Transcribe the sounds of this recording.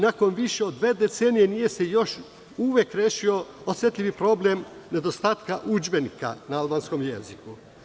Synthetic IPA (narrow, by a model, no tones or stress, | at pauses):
nako̞nʋiʃe̞o̞d̪ːʋe̞ːd̪et̪seːnije̞nije̞se̞jo̞ʃ | uʋekɾeːʃio̞osjet̪ʎʲiʋipɾo̞blemne̞d̪o̞st̪aːt̪kaʔud͡ʒbe̞nika̰naalbaːnsko̞mjḛziku